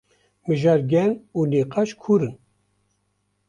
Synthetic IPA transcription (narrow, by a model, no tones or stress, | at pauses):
mɨʒɑːɾɡʲɛnuːliːqɑʃkʰuːɾɨn